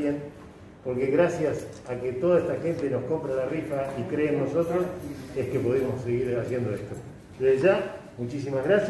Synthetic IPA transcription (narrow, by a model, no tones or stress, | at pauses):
an | po̞ɾkeɣɾasjasaket̪o̞ðaeht̪axe̞nt̪eno̞sko̞mpɾalarifaikɾeːnːo̞so̞t̪ɾo̞sehkepoðemo̞seɣiɾasje̞nd̪oeht̪o | d̪eðeʒamut͡ʃis̬imaɣɾas